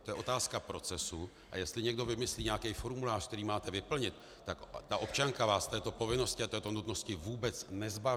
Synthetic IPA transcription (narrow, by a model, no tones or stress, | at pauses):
t̪ojɛo̞t̪aːskapɾo̞t͡sɛsu | ʔa̰jɛst̪lɪɲɛɡdo̞vɪmɪsliːɲɛakɛjfo̞ɾmulaːʃkt̪ɛɾiːmaːt̪ɛvɪpl̩ɲɪt̪ːakt̪aʔo̞p̚t͡ʃaŋkavaːst̪ɛːt̪o̞po̞vɪno̞scɪat̪ɛːt̪onut̪no̞scɪvuːbɛt͡snɛzbav